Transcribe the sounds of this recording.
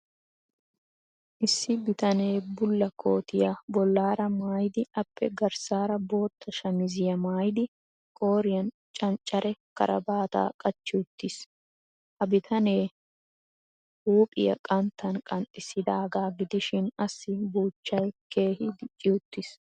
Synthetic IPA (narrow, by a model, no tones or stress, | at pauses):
ʔɪsːɪbɪt̪ɐne̞ːbʊlːɐkʰo̞ːt̪ɪjabɔlːaːɾɐmaːjd̪ɪɐpːɛ̰ɡɐɾsaːɾɐbo̞ːt̪ʰːɐʃɐmɪzɪjɐmaːjd̪ɪ | kʼo̞ːɾɪjɐn | t͡ʃʼɐnt͡ʃʼːɐɾʔɛkɐ̰ɾʔɐ̰baːt̪a̰ːkʼɐt͡ʃːɪʊt̪ːɪs | hɐbɪt̪ʰɐne̞ː | huːpʼɪ̰jɐ̰kʼɐnt̪ːɐnkʼɐnt̪ʼːɪsːɪd̪aːɡaːɡɪd̪ɪʃɪnɐsːɪbuːt͡ʃːɐjke̞ːhɪd̪ɪt͡ʃʼːɪʊt̪ːɪs